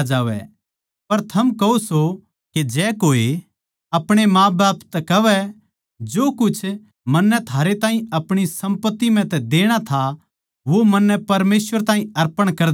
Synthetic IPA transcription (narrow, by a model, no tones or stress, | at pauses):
d͡ʒaːʋɛ̰ | pɐɾt̪ʰɐmkɐoso | ked͡ʒɛːkoːe | ɐpɽ̃emãːbjaːpt̪ːɛkɐʋɛ | d͡ʒoːkʊt͡ʃʰ | mɐnːɛt̪ʰaːɾet̪ãːɦĩɐpɽ̃isɐ̃mpət̪ːimɛ̃t̪ɛd̪eːɽ̃at̪ʰa | ʋomɐnːɛpɐɾmeːsʋəɾt̪ãːɦĩɐɾpəɽ̃kɐɾ